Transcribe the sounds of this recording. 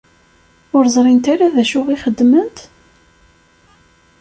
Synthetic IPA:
ʊɾzˤɾˤint̪aɾaðæʃʊʁiχəd̪ːmənt̪

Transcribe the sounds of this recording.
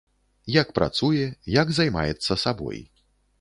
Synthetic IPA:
jakpɾa̰t̪sujɛjaɡzajma̰jɛt̪sːɐsabɔ̰j

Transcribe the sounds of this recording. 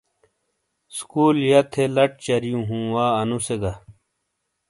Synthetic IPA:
skuːljɐt̪ʰelɐʈ̚t͡ɕɐɾijũɦũːwaːɐnuseɡɐ

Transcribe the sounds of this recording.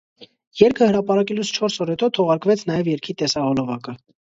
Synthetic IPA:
jɛɾkʰəhəɾɑpɑɾɑkɛlut͡sʰt͡ʃʰɔɾsɔɾhɛt̪ɔt̪ʰɔʁɑɾkvɛt͡sʰnɑjɛvjɛɾkʰit̪ɛsɑhɔlɔvɑkə

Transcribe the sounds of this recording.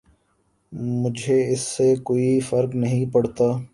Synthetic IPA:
mʊd͡ʒʱeɪsːekoːifɐɾknɐɦĩpɐɽt̪aː

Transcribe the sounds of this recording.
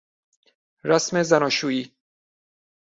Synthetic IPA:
ɾæsmezænɒːʃuːiː

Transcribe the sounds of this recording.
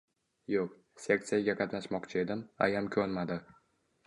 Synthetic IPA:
joq | sʲe̞kt̪sijaɡʲaqʰɑt̪naʃmɒqt͡ʃʰɪe̞d̪ɪma̰jamkʲʰɵɾmad̪ɪ

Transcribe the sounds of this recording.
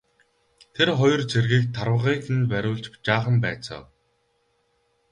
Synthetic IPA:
t̪ʰerχɔjɞ̆rt͡sʰerɣiːk̚t̪ʰarwə̆ʁiːxɘ̆nt̪pæɾʲʊːɮt͡ɕpt͡ɕaːχə̆mpæːt͡sɔ̰ːw

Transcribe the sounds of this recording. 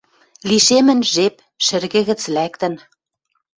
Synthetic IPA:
liʃemɘ̆nʒep | ʃɘ̆rɣɘ̆ɣɘ̆t͡slækt̪ɘ̆n

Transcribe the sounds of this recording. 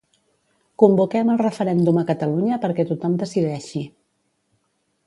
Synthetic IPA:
kumbukɛməlˠrəfəɾɛnd̪uməkət̪əluɲəpəɾkɛt̪ut̪ɔmd̪əsiðɛʃi

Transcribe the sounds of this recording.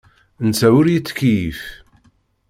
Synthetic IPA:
nt͡sːæwʊɾjit͡sːkːjif

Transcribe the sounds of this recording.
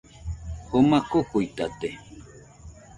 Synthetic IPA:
homakokujt̪at̪e

